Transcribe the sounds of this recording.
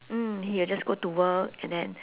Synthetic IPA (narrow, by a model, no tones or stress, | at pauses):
m̩hiild͡ʒasɡotuwəkɛ̃ndɛ̃n